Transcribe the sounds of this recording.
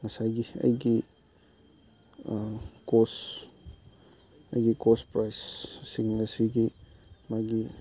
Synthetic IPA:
ŋasajɡia̰ɡi | akos | a̰jɡikospɾajsːiŋːasiɡimaɡi

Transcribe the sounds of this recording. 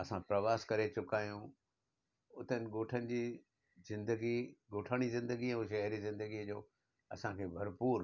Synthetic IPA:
ɐsãpɾɐʋaːskɐɾet͡ɕʊkaːjũ | ʊt̪ənɪ̆ɡoːʈʰənɪ̆d͡ʑiː | zɪ̃nd̪əɡiɡoːʈʰaːɽ̃izɪ̃nd̪əɡiũʃɐɦɾizɪ̃nd̪əɡid͡ʑoː | ɐsãkʰeːbʱɐɾpuːɾ

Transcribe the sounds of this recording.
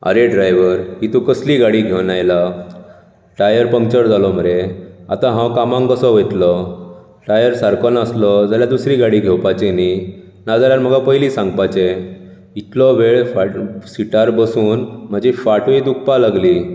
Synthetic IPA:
a̰ɾeɖɾajʋəɾɦit̪ũkəsliːɡaɽiɡʱewnajla | ʈajəɾpə̃ŋkt͡ɕəɾd͡zalɔm̤əɾea̰t̪ãɦãwkamãŋkəsɔʋəjt̪lɔ | ʈajəɾsaɾkɔnaslɔd͡zaljad̪usɾiɡaɽiɡʱewpat͡ɕeni | nad͡zaljaɾm̤əɡapəjlisãŋɡpat͡ɕe | it̪lɔʋeɭfaʈsiʈaɾbəsuːnm̤əd͡ʑifaʈʋid̪ukʰpalaɡli

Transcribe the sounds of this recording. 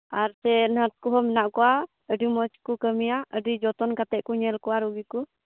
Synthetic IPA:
aɾsɛnaɾt̪̚kɔɦɔmɛnaʔkɔwa | əɖimɔt͡ʃkukəmijaʔəɖid͡ʒɔt̪ɔnkat̪ɛʔkuɲɛlkɔwaɾuɡiku

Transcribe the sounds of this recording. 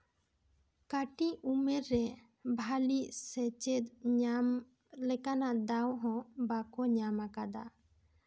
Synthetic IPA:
kaʈiumɛɾːɛ | bʱaliʔsɛt͡ʃɛt̪̚ɲam | lɛkanaʔd̪awɦɔ̃bakɔɲamakad̪a

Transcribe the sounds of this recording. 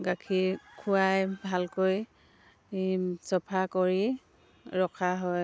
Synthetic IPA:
ɡakʰikʰuajbʱalkoj | sɔpʰakɔɹi | ɹɔkʰaɦɔj

